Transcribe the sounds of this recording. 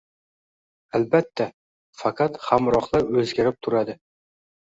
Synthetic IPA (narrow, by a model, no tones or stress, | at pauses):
albat̪ʰːa | fɑqʰɑt̪hamɾɒχlˠaɾɵzɡʲaɾɪp̚t̪ʰʊɾad̪ɪ